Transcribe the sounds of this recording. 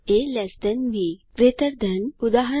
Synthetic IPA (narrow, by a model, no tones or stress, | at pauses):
elɛsd̪ənʋiɡɾet̪əɾd̪ʱənud̪aɦə